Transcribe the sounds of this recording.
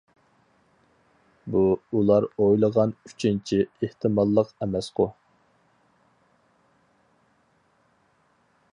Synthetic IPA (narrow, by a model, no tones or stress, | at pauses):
buulˠɑɾojlˠəʁɑny̥t͡ʃʰint͡ʃʰieht̪ʰɨmɑlˠːəqɛmɛsqʊ